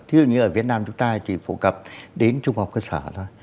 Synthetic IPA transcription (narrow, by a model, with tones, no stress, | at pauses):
t̪ʰi˧zṵ˧˨˩ɲɨ˧ʔəː˧˩vi˨˩ət̚naː˧mt͡ɕʊ˨˦ŋ͡mt̪aː˧t͡ɕḭ˧˩fo̰˧˩kə˨˩p̚ɗe˨˦nt͡ɕʊ˧ŋ͡mha˨˩k͡p̚kəː˧saː˧˩zɔ˨˦j